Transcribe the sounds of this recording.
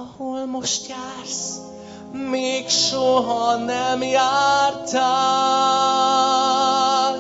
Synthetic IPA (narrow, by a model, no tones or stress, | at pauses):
ɔhulmʊʃtja | ɾs | meɡʃɔɦɔnɛmiaɾtʰa